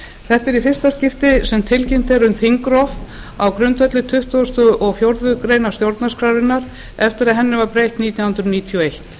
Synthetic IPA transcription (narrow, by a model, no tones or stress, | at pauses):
θɛht̪ɛɾifɪrst̪ascɪft̪ɪsɛmt̪ʰɪlcɪm̥t̪ɛɾʏmθiŋkɾɔf | awkɾʏnt̪ʰvœt̪lɪt̪ʰʏht̪ɔst̪ʏʔɔɣfjowɾðʏkɾeːjnast̪jowɾt̪naskʰɾawɾɪnːaɾ̥ | ɛft̪ɪɾaðɦɛnːɪvaɾpɾejht̪niːt̪jahʏnt̪ɾʏniːt̪ʰiɔejht̪